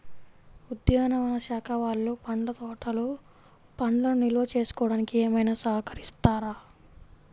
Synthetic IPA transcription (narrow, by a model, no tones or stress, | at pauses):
ud̪jaːnɐʋɐnɐʃaːkʰɐʋaːɭːupɐɳɖɐt̪ɔːʈɐlu | pɐɳlɐnuniluʋɐt͡ʃe̞ːsu̥kɔːɽaːnikieːmɐjnaːsɐɦɐkɐɾist̪aːɾaː